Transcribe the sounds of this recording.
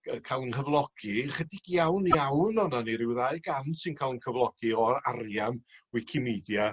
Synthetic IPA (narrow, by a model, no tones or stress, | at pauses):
əkʰalˠnhəvlˠɔɡ̥iχədiɡ̥jawnawnɔnaniɾɪwðaɨɡansɨnkʰalˠnkʰəvlˠɔɡ̥iɔɾarjamwɪkʰɪmidja